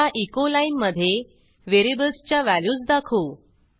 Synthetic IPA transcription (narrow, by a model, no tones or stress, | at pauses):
aʔikolainməd̪ʱːje | ʋeɾibəlst͡ɕjaʋæljuːt͡sd̪akʰuː